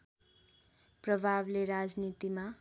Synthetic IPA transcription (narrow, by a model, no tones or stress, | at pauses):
prʌbʱableɾad͡znit̪ima